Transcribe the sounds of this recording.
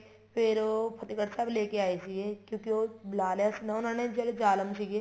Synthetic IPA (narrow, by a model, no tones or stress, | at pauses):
pʰɪɾopʰɐt̪ikəʈsableːkeaːesiekjõːkioːblaːlasnɐʊnaːned͡ʒɐld͡ʒaːləmsike